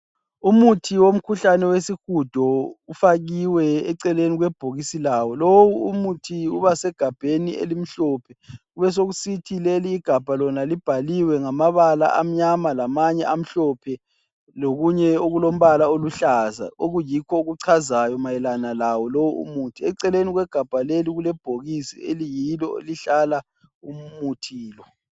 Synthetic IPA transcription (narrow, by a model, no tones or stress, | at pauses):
umutʰiwom̩kʰuɬanɛwesixud̥ʱɔufaɣiwɛɛǀɛleniɣwɛb̥ʱoɣisilawɔlowuumutʰiuβasɛɡ̥ʱab̥ʱeniḛlim̩ɬɔːpʰɛ | uβɛs̬oɣusitʰileliːɡ̥ʱab̥ʱalɔnalib̥ʱaliwɛŋamaβala̰ʔam̩ɲamalamaɲɛʔam̩ɬɔpʰɛ | loɣuɲɛoɣulom̩βalaoluɬaza̰oɣujikʰɔuɣuǀʰazajɔmajɛlanalawɔlowuṵmutʰiɛǀɛleniɣwɛɡ̥ʱab̥ʱaleliɣulɛb̥ʱoɣisḭelijilɔ̰liɬala | umutʰiːlɔ